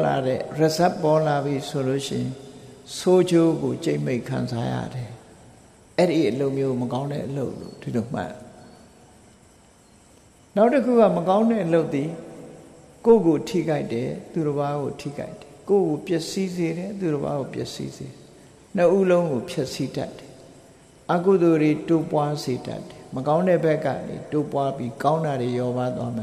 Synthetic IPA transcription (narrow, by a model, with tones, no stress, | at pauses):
la̰˨ɾɛ̰˦˨ɹə˨zɛ˦˨pːɔ˦la˨bji˨˦so˨lo̰˦˨ʃɪ̃˦˨ɪ̃˨sʰo˦d͡ʑo˦ɡo˨t͡ɕe˦ɪ̃me˦˨ɪ̃ŋkʰã̰˨nza˦jä̰˦˨dɛ˨ | ʔɛ˦ɾi˨ʔəlo˦ʊʔmjo˦˨məkã˦ʊ̃ndɛ̰˦˨ʔəlo˦ʊʔlo̰˦˨d̥i˨lo˨m̥ã̰˦˨ | na˦ʊtːəkʰṵ˦˨ɡa˦˨məkã˦ʊ̃ndɛ˦˨ʔəlo˦ʊt̪t̪i˨ | ko˦˨ɡo˨tʰḭ˦˨ka˦ɪtɛ˨t̪u˨ɾə˨βa˦ɣo˨tʰḭ˦˨ka˦ɪtɛ̥˨ko˦˨ɡo˨pjɛ˦ʔsi˦ze˨ɾɛ˨t̪u˨ɾə˨ba̰˦ɣo˨pjɛ̰˦ʔsḭ˦ze˨ɾɛ˨ | n̥əʔu˦lõ˦ʊ̃ŋɡo˨pʰjɛ˦ʔsi˦da̰˦tːɛ̥˨ | ʔa˨ku˨d̪o˨de˨to˦pwa˦ze˨da̰˦tːɛ̥˨məkã˦ʊ̃ndɛ˦˨bɛ˦kːä̰˦˨nḛ˨to˦pwa˦pji˦kã˦ʊ̃nda˨ɾe˨jɔ˨˦ba˦t̪wa˦m˨